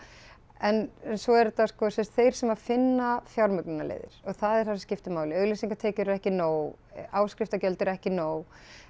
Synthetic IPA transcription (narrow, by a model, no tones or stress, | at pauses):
ɛnnsɔɛɾt̪askɔsɛmst̪θejɾ̥sɛmḁfɪnːafjawɾmʏknɪnalḛjðɪ̰ɾ̥ɔɣθaðɛɾ̥θasscɪft̪ɪmaːwlɪœɣlisiŋkat̪ʰɛːcʏɾɾɛhcɪnoːw | aːwskɾɪft̪acœlt̪ɪɾɛhcɪnoːw